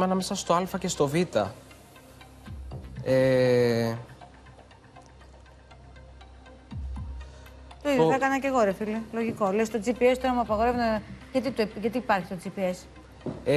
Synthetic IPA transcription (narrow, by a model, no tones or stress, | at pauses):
enɐmesɐst̪oɐlfɐce̞st̪o̞vit̪ɐ̰ | e | t̪oiðjoθɐkɐnɐce̞ɣo̞ɾefilelo̞ʝiko̞lest̪od͡zipiest̪oɾɐmuɐpɐɣo̞ɾe̞vnɐʝɐt̪it̪ʝɐt̪iːpɐɾçi̥st̪od͡zipies